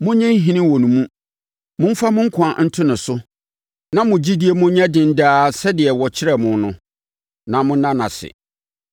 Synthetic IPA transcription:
mʊ̃˦ɲɛ̃˦n˦ɦĩ˦nɪ̃˦wɔ˨nũ˨mũ˦ | mʊ̃˦m̩˦fa˦mʊ̃˦ŋ̩˦kʰʊ˨a˨n̩˦tʰʊ˦nʊ̃˨sʊ˦ | nã˦mʊ̃˨d͡ʑi˦di˦e˨mʊ̃˦ɲɛ̃˦dɪ̃˨n̩˦daː˦sɛ˦dɪ˨ɛ˨wɔ˨t͡ɕʰɪ˦ɾɛ˨mʊ̃˨nʊ̃˦ | nã˨mʊ̃˦nã˦nã̰˨sɪ̰˨

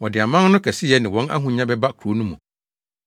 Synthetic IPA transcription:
wɔ̃˨dɪ˨a˨mã˦n˦nʊ̃˦kʰɛ˨si˦jɛ˦nɪ̃˨wɔ̃˦na̰˦ɦũ˨ɲã˦bɛ˦ba˦kʰu˨ɾo˨˦nũ˦mũ˨

